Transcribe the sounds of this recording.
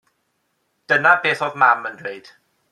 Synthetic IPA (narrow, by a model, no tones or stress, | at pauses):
d̥ənabeːθɔðmaməndrejd̥